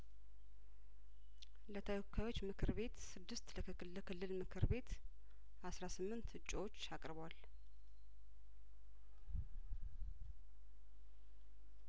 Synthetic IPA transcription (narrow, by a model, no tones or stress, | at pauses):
lət̪ʰəwɔkʰːajwo̞t͡ʃːmɨkʰɨɾbe̞t̪sɨd̪ːɨst̪lə | ləkɨlːɨlmɨkʰɨɾbe̞t̪ | ʔasɾasɨmːɨnt̪hɨt͡ʃʼːwot͡ʃːakʼɾβwal